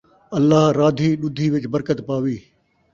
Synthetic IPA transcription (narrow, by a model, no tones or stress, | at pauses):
ɐlːaːɦɾaːd̪ʱiːɗʊd̪ʱiːʋɪt͡ʃbəɾkət̪paːʋiː